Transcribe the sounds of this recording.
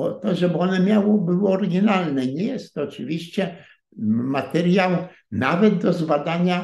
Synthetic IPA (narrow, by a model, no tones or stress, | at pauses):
ɔt̪ɔʐɛbɔnɛmʲjawɔbɘwɔɔɾɡʲinalnɛɲɛjɛst̪ːɔt͡ʂɨvʲiɕt͡ɕɛ | mat̪ɛɾʲjaw | navɛd̪̚d̪ɔzbad̪aɲa